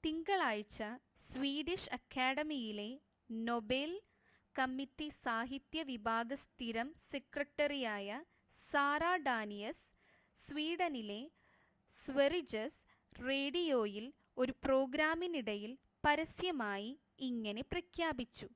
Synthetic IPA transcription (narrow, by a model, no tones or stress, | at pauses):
t̪iŋɡɐɭaːjt͡ɕːɐ | sʋiːɽiʂɐkʰːaːɽɐmijile̞ | no̞bel | kɐmːitːisaːɦit̪jɐʋibʱaːɡɐst̪iɾɐmsekrɐʈːɐrijaːjɐ | saːraːɖaːnijɐsː | ʋiːɽɐnile̞ | sʋerid͡ʑɐs | reːɽijo̞ːjil | o̞ɾupro̞ːɡɾaːminiɽɐjil | pɐɾɐsjɐmaːjiː | ŋːɐne̞prɐkʰjaːbit͡ɕːu